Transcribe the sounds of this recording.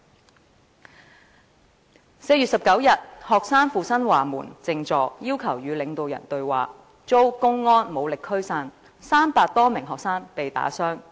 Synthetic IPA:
se˧jy˨tsɐ˨p̚kɐ˨˥wjɐ˨t̚hɔː˨k̚saː˥nfuː˨˧sɐ˥nwaː˨˩mṵː˨˩nt͡sɪ˧ŋt͡sɔː˨k̚jiː˥wkʰɐ˨˩wjyː˨˧lɪ˨˧ŋt̪o˨wjɐ̰˨˩nt̪ɵ˧ɥwa̰ː˨ | t͡so˥wkʊ˥ŋːɔː˥nmo˨˧wlɪ˨kʰːɵ˥ɥsaː˧n | saː˥mpaː˧k̚t̪ɔː˥mɪ˨˩ŋɦɔː˨k̚saː˥npe˨jt̪a̰ː˨˥sœː˥ŋ

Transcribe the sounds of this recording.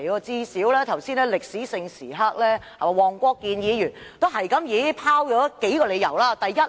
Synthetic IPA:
jɔ˧t͡siː˥siː˨˥wlɛː˥t̪ʰɐ˨˩wsiː˥nlɛː˥lɪ˨k̚siː˨˥sɪ˧ŋsḭː˨˩ɦɐ˥k̚lɛː˥ha˨wɔː˨˩ŋkʷɔː˥kːiː˧njiː˨˧jyː˨˩nt̪o˥wɦɐ˨˩jkɐ˨˦˥mjiː˨˥pʰaː˥wjɔː˨˥ke˨˥jkɔː˧le˨˧jɐ˨˩wlaː˧t̪ɐ˨jːɐ˥t̚

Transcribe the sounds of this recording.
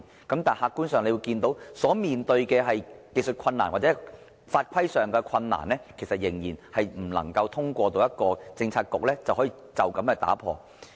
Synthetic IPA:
kɐ˨˥mt̪aː˨nhaː˧kːuː˥nsœː˨ŋle˨˧wu˧kiː˧nt̪o˨˥wsɔː˨˥miː˨nt̪ɵ˧ɥkɛː˧ɦɐ˨jke˨˧jsɵ˨t̚kʷʰɐ˧nːa̰ː˨˩nwaː˨t̚t͡sɛ˨˥ | faː˧t̚kʷʰɐ˥jsœː˨ŋkɛ˧kʰɐ˧nːa̰ː˨˩nlɛː˥kʰe˨˩jsɐ˨t̚jɪ˨˩ŋjiː˨˩nhɐ˨jm̩˨˩lɐ̰˨˩ŋkɐ˧wt̪ʰʊ˥ŋkʷɔː˧t̪o˧wjɐ˥t̚kɔː˧t͡sɪ˧ŋt͡sʰaː˧t̚kʊ˨k̚lɛː˥t͡sɐ˨whɔː˨˥jiː˨˩t͡sɐ˨˩wkɐ˨˦mkɛː˧t̪a̰ː˨˥pʰɔ̰ː˧

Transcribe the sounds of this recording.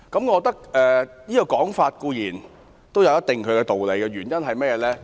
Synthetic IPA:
kɐ˨˦˥mŋɔ˨˧kt̪ɐ˥k̚ʔɛː˨˧jiː˥kɔ˧kɔː˨˥ŋfaː˧t̚kuː˧jiː˨˩n | t̪o˥wjɐ˨˧wjɐ˥t̚t̪ɪ˨˩ŋkʰɵ˨˧ɥkɛː˧t̪o˨wle˨˧jkɛ˧ɥyː˨˩njɐ˥nɦɐ˨jmɛː˥jɛː˨˧lɛː˥

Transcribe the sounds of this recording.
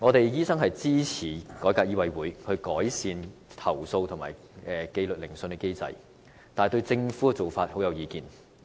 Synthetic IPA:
ŋɔː˨˧t̪e˨jjiː˥sɐ˥ŋɦɐ˨jt͡siː˥t͡sʰiː˨˩kɔː˨˥jkaː˧k̚jiː˥wɐ˧jwuː˨˥jhʰɵ˧ɥkɔː˨˥jsiː˨˧nt̪ʰɐ˨˩wso˧wt̪ʰʊ˨˩ŋma̰ː˨˩j | ɛː˨˩ke˧lɵ˨t̚lɪ˨˩ŋsɵ˧nkɛ˧ke˥jt͡sɐ̰˧j | t̪aː˨jt̪ɵ˧ɥt͡sɪ˧ŋfu˨˥kɛ˨˧t͡so˨˩wfaː˧t̚ho˨˥wjɐ˨˧wjiː˨˧kiː˨n

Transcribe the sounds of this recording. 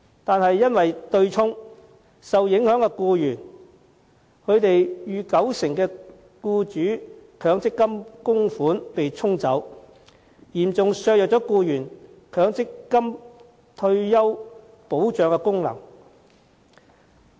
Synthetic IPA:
t̪aː˨nɦɐ˨jːɐ˥nwɐ˨jt̪ɵ˧ɥt͡sʰʊ˥ŋ | sɐ˨wjɪ˨˥ŋhœː˨˥ŋkɛː˧kuː˧jyː˨˩n | kʰɵ˨˧ɥt̪e˨jjyː˨˧kɐ˨˥wsɪ˨˩ŋkɛː˧ | kuː˧t͡ʃyː˨˥kʰœː˨˧˥ŋt͡sɪ˥kːɐ˥mkʊ˥ŋfuː˨˥npe˨jt͡sʰʊ˥ŋt͡sɐ˨˥w | jiː˨˩mt͡sʊ˨ŋsœː˧k̚jɐ˨k̚t͡sɔː˨˥kuː˧jyː˨˩n | kʰœː˨˥ŋt͡sɪ˥kːɐ˥m | t̪ʰɵ˧ɥjɐ˥w | po˨˥wt͡ʃœː˨˧ŋkɛː˧kʊ˥ŋlɐ̰˨˩ŋ

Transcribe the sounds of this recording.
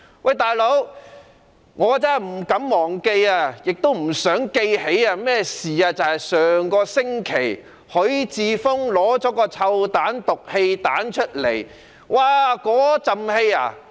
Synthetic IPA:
wʔa˨jt̪aː˨jlo˨˥w | ŋɔː˨˧t͡sɐ˥˨m̩˨˩kɐ˨˥mːɔː˨˩ŋke˧jaː˧jɪ˨k̚t̪o˥wm̩˨˩sœː˨˥ŋke˧jhe˨˥jaː˧mɛː˥siː˨aː˧t͡sɐ˨whɐ˨jsœː˨ŋkɔː˧sɪ˥ŋkʰe˨˩j | hɵ˨˥ɥt͡siː˨fʊ˥ŋlɔː˨˥t͡ʃɔː˨˥kɔː˧t͡sʰɐ˧wt̪aː˨˥nt̪ʊ˨k̚he˧jt̪aː˨˥nt͡ʃʰɵ˥t̚le˨˩j | waː˧˩kɔː˨˥t͡sɐ˨mhe˧ja̰ː˧˩

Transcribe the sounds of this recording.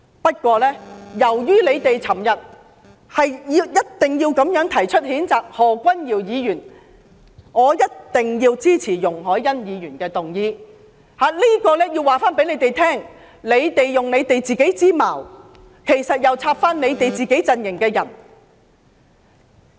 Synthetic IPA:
pɐ˥t̚kʷɔː˧lɛː˥jɐ˨˩wjyː˥le˨˧jt̪e˨jt͡sʰɐ˨˩mjɐ˨t̚ | hɐ˨jjiː˧wjɐ˥t̚t̪ɪ˨ŋjiː˧wkɐ˨˥mjœː˨˥ŋt̪ʰɐ˨˩jt͡ʃʰɵ˥t̚hiː˨˥nt͡saː˨k̚hɔː˨kʷɐ˥njiː˨˩wjiː˨˧jyː˨˩n | ŋɔː˨˧jɐ˥t̚t̪ɪ˨ŋjiː˧wt͡siː˥t͡sʰiː˨˩jʊ˨˩ŋɦɔː˨˥jːɐ˥njiː˨˧jyː˨˩nkɛː˧t̪ʊ˨ŋjiː˧ | haː˨˧liː˥kɔː˧lɛː˥ji˧wːaː˨˩faː˥npe˨˥jle˨˧jt̪e˨jt̪ʰɛː˥ŋ | le˨˧jt̪e˨jːʊ˨ŋne˨˧jt̪e˨jt͡siː˨ke˨˥jt͡siː˥ma̰ː˨˩w | kʰe˨˩jsɐ˨t̚jɐ˨wt͡sʰaː˧p̚faː˥nle˨˧jt̪e˨jt͡siː˨ke˨˥jt͡sɐ˧njɪ˨˩ŋkɛː˧jɐ̰˨˩n

